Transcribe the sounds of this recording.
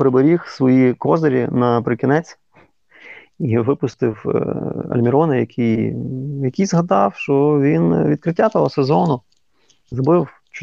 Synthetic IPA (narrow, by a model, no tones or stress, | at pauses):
pɾɪbɐɾʲixsʋɔjikɔzɐɾʲḭnɐpɾɪkʲɪnɛt͡sʲ | iʋɪpʊst̪ɪw | ɐ̰lʲmʲɪɾɔnɪjɐkʰʲijjɐkʲijzɦɐd̪ɑwʃt͡ʃɔʋʲinʋʲid̪̚kɾɪtʲːat̪ɔɦɔsezɔnʊ | zɾɔbɪw | t͡ʃ